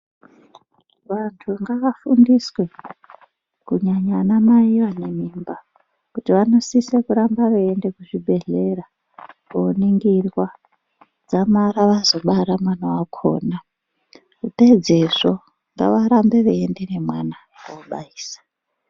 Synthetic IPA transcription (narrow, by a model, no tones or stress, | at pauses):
ʋantʰuŋɡaʋafundiswe | kuɲaɲanamaiwane̞mimba | kutiʋano̞sisekuɾambaʋeende̞kuʐibʱe̞ɮe̞ra | kouniŋɡirwa | d͡zamaɾaʋazo̞ɓaɾamwanowakʰo̰ːna | kute̞d͡ze̞ʐo̞ | ŋɡa̰ʋaɾambe̞ʋeendene̞mwana | uɓa̰iːsḁ